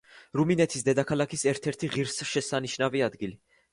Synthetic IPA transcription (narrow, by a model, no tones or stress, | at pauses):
ɾuminɛt̪ʰisd̪ɛd̪akʰalˠakʰisɛɾt̪ʰɛɾt̪ʰiʁiɾsʃɛsaniʃnaviad̪ɡili